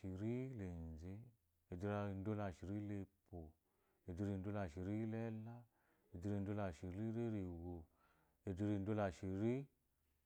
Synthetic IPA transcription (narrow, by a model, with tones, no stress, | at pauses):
i˨ɾi˦le˨n˨ze˦ | e˨di˦ɾa˧˨n˦do˦la˨ʃi˨ɾi˦le˧po˨ | e˨di˦ɾi˧˨n˦do˦la˨ʃi˨ɾi˦lɛ˦la˦ | e˨di˦ɾi˧˨n˦do˦la˨ʃi˨ɾi˦ɾe˦ɾi˨ɣo˨ | e˨di˦ɾi˧˨˦do˦la˨ʃi˨ɾi˦